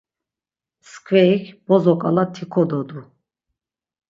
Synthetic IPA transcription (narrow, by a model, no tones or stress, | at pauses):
skʰʼvɛikʰb̥ɔzɔkʼalat̪ʰikʰɔd̪ɔd̪u